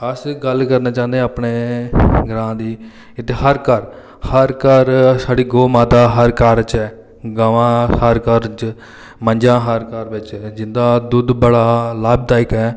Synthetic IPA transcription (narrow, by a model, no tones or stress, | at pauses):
əsɡəlkəɾnaːt͡ʃãːnd̪ẽapɳeːɡəɾãːd̪iː | ɪt̪eːhəɾkəɾ | həɾkəɾsaːɽiːɡoːmãːt̪aːɦəɾkaːɾt͡ʃɛː | ɡaːʋãːhəɾkəɾt͡ʃ | məɲd͡ʒãːɦəɾkaːɾbɪt͡ʃd͡ʒɪnd̪aːd̪ʊd̪bəɽaːlaːb̚d̪aːɪkɛː